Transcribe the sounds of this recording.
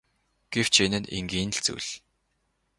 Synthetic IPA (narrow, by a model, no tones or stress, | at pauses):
ɡ̥ew̥t͡ɕenɘ̆nḛŋɡiːn̆ɮt͡sṵɮ